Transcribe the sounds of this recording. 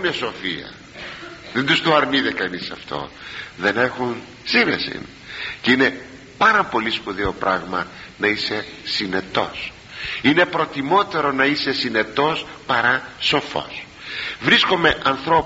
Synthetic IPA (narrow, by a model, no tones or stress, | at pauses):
neso̞fiɐ̰ | ðend̪ust̪oɐɾniðekɐnisɐft̪o̞̰ðe̞nexun | siɾḛsḭn | ceine̞ | pɐɾɐpo̞lispuðio̞pɾʔɐɣmɐnɐise̞sine̞t̪o̞̰s | ine̞pɾo̞t̪imo̞t̪e̞ɾo̞nɐise̞sine̞t̪o̞spɐɾɐso̞fo̞̰s | vɾisko̞meʔɐnθɾo̞